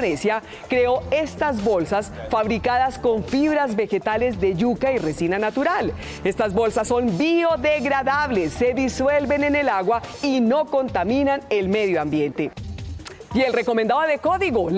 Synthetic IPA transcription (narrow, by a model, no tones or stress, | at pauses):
nesja | kɾe̞o̞e̞st̪azbo̞lsasfaβɾikaðasko̞ɱfiβɾazbe̞xe̞t̪ale̞zd̪e̞ʝukaire̞sinanat̪uɾal | e̞st̪azbo̞lsasːo̞nbio̞ðe̞ɣɾaðaβle̞sːe̞ðiswe̞lbe̞ne̞ne̞laɣwaino̞ko̞nt̪amĩnane̞lme̞ðjoambje̞nt̪e̞ | ie̞lre̞ko̞mend̪aoðeko̞ðiɣo